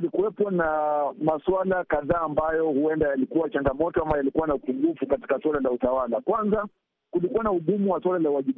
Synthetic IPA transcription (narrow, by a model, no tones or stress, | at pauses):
likuwɛpɔnamaswalakaðaːmbajɔhuɛndajalikuwat͡ʃaŋɡamɔtɔambajalikuwanaupuŋɡufukati̥kaswalalautawalakwanza | kulikuwanauɠumuwaswalalawaʄi